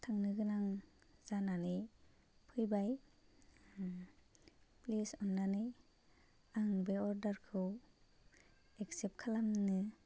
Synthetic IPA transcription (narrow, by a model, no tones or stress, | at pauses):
tʰaŋnɯɡɯnaŋzananɯ | pʰɯjbaj | plisɔnːanɯ | aŋbeɔɾdaɾkʰɯw | eksep̚kʰalamnɯ